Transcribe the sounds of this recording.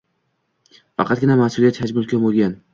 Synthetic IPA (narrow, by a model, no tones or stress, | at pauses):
fɑ̰qʰɑt̪̚ɡʲɪnamahsʊlˠjat̪t͡ʃʰad͡ʒmʊlkʲʰabolˠɡʲan